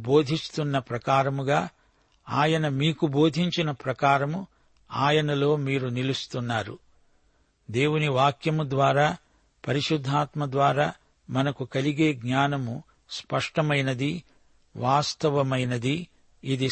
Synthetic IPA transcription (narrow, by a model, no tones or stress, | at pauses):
bo̞ːd̪ʱist̪unːɐpɾɐkaːɾɐmuɡaː | aːjɐnɐmiːkubo̞ːd̪ʱiɲt͡ʃinɐpɾɐkaːɾɐmu | aːjɐnɐlo̞ːmiːɾunilust̪unːaːɾṵ | d̪e̞ːwuniʋaːkjɐmud̪ʋaːɾaː | pɐɾiʃud̪ʱːaːt̪mɐd̪ʋaːɾaː | mɐnɐkukɐliɡe̞ːɡɲaːnɐmu | spɐʂʈɐmɐjnɐd̪i | ʋaːst̪ɐʋɐmɐjnɐd̪iː | d̪i